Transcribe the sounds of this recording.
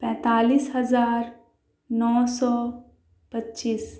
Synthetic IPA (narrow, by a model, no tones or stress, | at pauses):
pɛ̃ːt̪aːliːsɦəzaːɾ | nɔːsɔː | pətːʃiːs